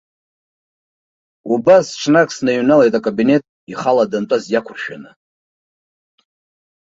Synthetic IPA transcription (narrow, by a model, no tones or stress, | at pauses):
ubasʈ͡ʂʰnakʼsnaɥunale̞jtʼakʼabine̞tʼ | iχaladantʷʼazjakʷʰʊrʃᶣa̰nɨ